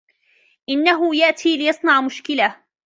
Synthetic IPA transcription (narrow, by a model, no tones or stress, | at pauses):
ʔɪnːaɦʊjaʔt̪ʰiːlɪjɑsˤnɑʕmʊʃkɪla